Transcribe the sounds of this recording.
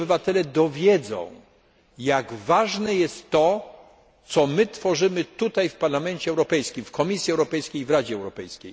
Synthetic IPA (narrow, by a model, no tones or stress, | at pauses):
bɘvat̪ɛlɛd̪ɔvʲjɛd̪zɔ̰̃w̃ | jaɡvaʐnɛjɛst̪ːɔ | t̪sɔmɘt̪fɔʐɘmɘt̪ut̪ajfpaɾlamɛnt͡ɕɛɛwɾɔpɛjskʲimfkɔmʲisʲjiɛwɾɔpɛjskʲejvɾad͡ʑɛɛwɾɔpɛjskʲej